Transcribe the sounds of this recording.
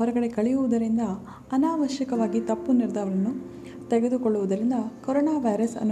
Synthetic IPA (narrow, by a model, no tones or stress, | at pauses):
ɦɔɾɐɡɐɽe̞kɐɭejuʋud̪ɐɾind̪ɐː | naːʋɐʃjɐkɐʋaːɡit̪ɐpːuniɾd̪ɐːʋɐɾɐnːu | t̪eɡe̞d̪ukoɭːuʋud̪ɐɾind̪ɐkɔɾɔːnaːʋɐjɾɐsɐ̰nː